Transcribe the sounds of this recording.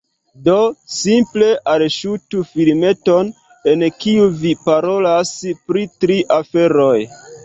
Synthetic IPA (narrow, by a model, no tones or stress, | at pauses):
do̞simple̞ʔalʃutufilme̞to̞n | e̞nkiuvipaɾo̞laspɾitɾiʔafe̞ɾo̞j